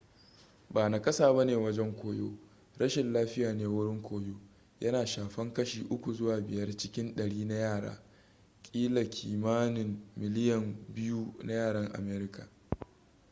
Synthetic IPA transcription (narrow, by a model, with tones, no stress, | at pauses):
baː˨na˨kɐ˦saː˨bɐ˦neː˨wɐ˦d͡ʒɛ˦ŋkʷoː˦joː˦ | ɽɐ˦ʃɪ˨nlaː˦ɸɪ˦jaː˨neː˦wʊ˦ɽɪ˦ŋkʷoː˦joː˦ | jɐ˦naː˨ʃaː˨ɸɐ˦ŋkɐ˦ʃiː˨ʔʊ˦kʷu˨zʊ˦waː˨bɪ˨jɐ˦rt͡ʃɪ˦kʲɪ˦nɗɐ˨ɽiː˦na˦jaː˦˨ɽa̰ː˦ | kʲʼiː˦la˨kʲʰiː˨maː˦nɪ˨mːɪ˨lɪ˦jɐ˨mbɪ˦ju˦na˦jaː˦˨ɽɐ˦ŋʔa̰˨meː˦ɾɪ˦ka̰˨